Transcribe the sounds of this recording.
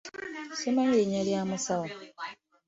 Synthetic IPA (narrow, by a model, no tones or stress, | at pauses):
semaɲiɲaljaːmusawo